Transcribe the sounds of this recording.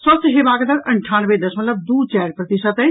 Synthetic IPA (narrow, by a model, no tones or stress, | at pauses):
sɔːsəɦebaːɡd̪əɾɐɳʈʰaːnʋed̪ɐsmɐt̪ləb̚d̪uːt͡ʃɛːɾpɾət̪iʃət̪ɦɛ̃